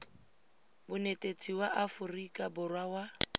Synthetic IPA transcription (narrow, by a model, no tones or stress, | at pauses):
bʊnetʼet͡sʰʼiwaʔafʊrikʼabʊrwawa